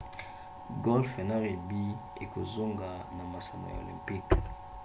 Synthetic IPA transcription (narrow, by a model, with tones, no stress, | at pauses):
ɡo˦lfe˨na˦ʁe˨bi˦ | e˨ko˨zo˦ŋɡa˨na˨ma˨sa˨mo̰˨ja̰˨o̰˨lḭ˨mpi˦k